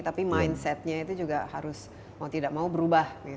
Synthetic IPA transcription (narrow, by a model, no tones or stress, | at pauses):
t̪apimajnsɛt̪̚ɲait̪ud͡ʒuɡahaɾʊs | maut̪idaʔ̚maubəɾubahɡi